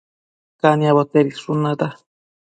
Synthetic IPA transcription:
kaniaβot̪eɾisʂunad̪a

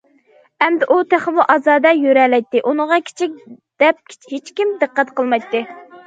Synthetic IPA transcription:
ɛmd̪ɪʔut̪ʰæχəmuʔɑzɑːd̪ɛjøɾɛlɛjt̪ːɪʔunəʁɑkʲʰe̥t͡ʃʰik̚ʲ | d̪̥ɛp̚ʲhet͡ʃkʲimd̪ɨqːæt̪qəlˠmɑjt̪ːɨ

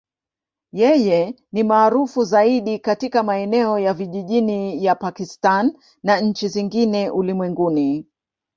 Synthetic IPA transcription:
jɛjɛ | nimaːɾufuzaiɗikatikamaɛnɛɔjaviʄiʄinijapakistanː | aɲ̩t͡ʃiziŋɡinɛʔulimwɛŋɡuni

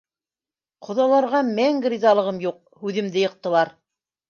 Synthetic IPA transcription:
qʰŏðɑlˠɑɾʁɑmæŋɡrʲizɑlˠɤ̆ʁɤmjuq̚hʉðɘ̆md̪ɘjɤ̆q̚t̪ɤ̆lˠɑɾ

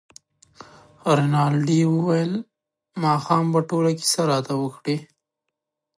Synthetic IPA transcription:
ɾenɑlɖiwəwajəl | mɑxɑmbaʈolaki̥saɾɑt̪awəkɽi

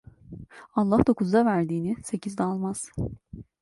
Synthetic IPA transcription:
alˠːahd̪o̞kuzd̪avæɾd̪iːnise̞cʰizd̪ɛalˠmaz̥

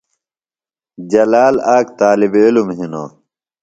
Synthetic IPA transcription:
d͡ʑɐlaːlaːkt̪aːlibilumɦino̰

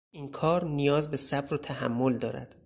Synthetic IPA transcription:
inkʰɒːɾnijɒːzbe̞sæbɾot̪ʰæhæmːo̞ld̪ɒːɾæ̰d̪̥

